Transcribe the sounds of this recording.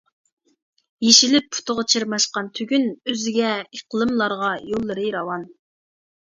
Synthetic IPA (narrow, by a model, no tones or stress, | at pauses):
jeʃilɪp̚ːʰu̥t̪ʰʊʁət͡ʃʰeɾmɑʃqɑnt̪ʰyɡʲynøzɪɡʲɛiqlˠɨmlˠɑɾʁɑjolˠːɨɾɨɾɑwɑn